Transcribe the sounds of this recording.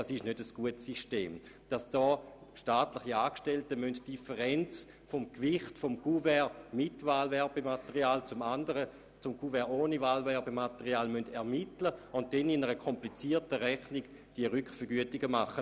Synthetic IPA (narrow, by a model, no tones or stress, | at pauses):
asɪʃnødəsɡ̥uətsiʃtḛːmd̥asd̥ɔːʃtaːtlɪχiaːkʃtɛltəmøntd̥ifəʁɛnt͡s | fomkvɪχtfomɡ̥uvɛmɪtvaːlvɛɐbematəʁiaːlt͡sʊmandəʁə | t͡sʊmɡuvɛʁoːnivaːlvɛɐbemateʁiaːlmøndɛɐmitləʊnt̚d̥ɛninəʁəkʰɔmplit͡siːɐtəʁɛχniɡ̥ | d̥iəʁykχfəɐɡyətiɡəmaχə